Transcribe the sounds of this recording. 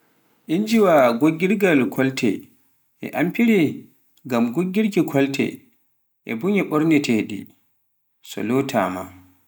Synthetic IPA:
ʔind͡ʒiwaɡoɡːiɾɡalkʰɔltʰɛ̰ | ʔɛ̰ʔampiɾɛ | ɡamɡoɡːiɾkikʰɔltʰɛ̰ | ʔɛbuɲɛɓɔɾnɛtʰɛɗḭ | sɔ̰lɔtʰa̰ma̰

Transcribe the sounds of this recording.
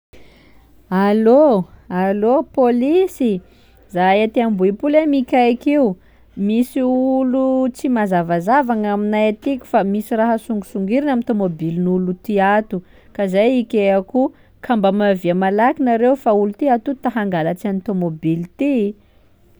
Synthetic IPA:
aloalopolisi | zaet̪iambuipulemikʲajkiu | misiulut͡simazavazavaŋaminajat̪ikʲu̥famisiraɦəsuŋɡusuŋɡiɾinamint̪omobilinulut̪iat̪u | kazajikʲeaku | kʰambəmaviamalakinaɾewfaulut̪iat̪ut̪aɦaŋɡalat͡siant̪omobilt̪i

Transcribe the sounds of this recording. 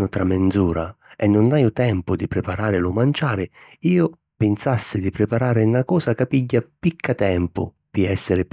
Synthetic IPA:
nʊt̪ɾamːend̪zuːɾaɛnːʊnːajʊt̪ɛmpʊd̪ipɾɪpaɾaːɾɪlʊmant͡ʃaːɾɪiːʊ | pɪnsasːɪd̪ipɾɪpaɾaːɾɪunakɔːsakapiɟːapikʰːat̪ɛmpʊ̰ | piɛsːɪɾɪ

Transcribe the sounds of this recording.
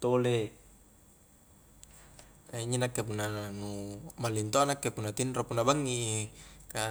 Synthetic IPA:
t̪ole | aiɲinakːepunːanumalint̪oanakːepunːat̪inropunːabaŋːi | ka

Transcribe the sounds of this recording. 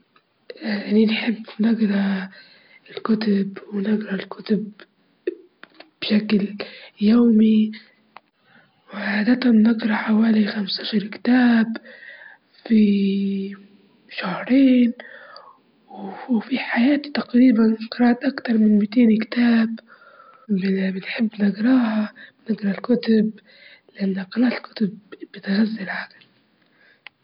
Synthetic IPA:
ninħɪbːnɪɡɾˤɑ | ɪlkʊt̪ʊbwɪnɪɡɾˤɑlkʊt̪ʊb | b̥ʃakljaːmi | wʕaːd̪at̪anːɪɡɾˤɑħawaːlixamst̪aʃɑɾˤkɪ̥t̪aːb | fi | ʃahɾˤeːn | wfiħajaːt̪i̥t̪aqɾiːbanqɑɾˤɑːʔt̪ʔakt̪ɑɾˤmɪnmit̪eːnkt̪aːb | bɪnħɪbːnɪɡɾˤɑːhanɪɡɾˤɑlkʊt̪ʊb | lɪʔanːaqɑɾˤɑːt̪lkʊ̥t̪ʊbbɪt̪ɣazːɪlʕaɡɪl

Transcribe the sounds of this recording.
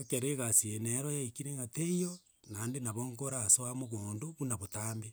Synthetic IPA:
ekeɾeɣasieneɾojaikiɾeŋɡateijo | nandenaβoŋkoɾasoamoɣoːndoβunaβotaːmbe

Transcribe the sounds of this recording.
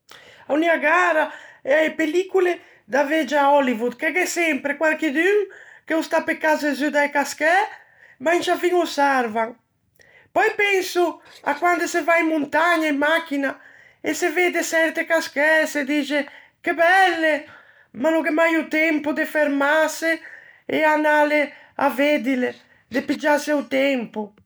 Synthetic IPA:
auniaɡaːɾaapelikule | d̪aved͡ʒaɔlivud̪kɛɡɛsɛmpɾekwalked̪yŋkeust̪apekazezyd̪ajkaskɛ | mant͡ʃafiŋosaɾvaŋ | pɔjpɛŋsuakwand̪esevaimːunt̪aɲaimːak̟ːina | eseved̪esɛɾt̪ekaskɛsed̪iːt͡ʃe | kebɛlːe | manoŋkɛmajut̪ɛmpʊd̪efeɾmaseeanale | aved̪ile | d̪epid͡ʒaseut̪ɛmpʊ

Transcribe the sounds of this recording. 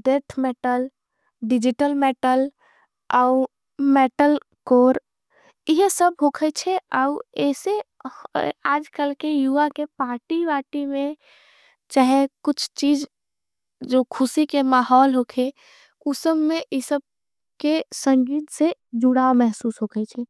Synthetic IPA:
d̪eɾt̪ʰmeʈəl | ɖɪd͡ʒɪʈəlmeʈəl | aʊ | meːʈəl | koːɾ | iɦsəbɦoːkʰət͡ʃʰeaɛːse | aːd͡ʒkəlkejuakepaːɾʈibaːʈimẽ | t͡ʃaɦekʊt͡ʃʰt͡ʃiːd͡ʒ | d͡ʒokʰʊsikemaːɦɔːlɦokʰe | kʊsəbmẽʔisəb̚ | kesə̃ŋɡiːt̪sed͡ʒʊɽamɛɦsuːsɦokʰɛt͡ʃʰɛ

